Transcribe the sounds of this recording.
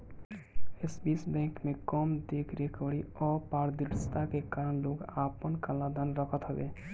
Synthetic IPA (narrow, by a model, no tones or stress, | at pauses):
esbisbɛ̃kmekɔmd̪ekʰɾekəɽiɔpaɾd̪iʈst̪akekaɾənloɡapənkalad̪ʱanɾəkʰət̪ɦɔbḛ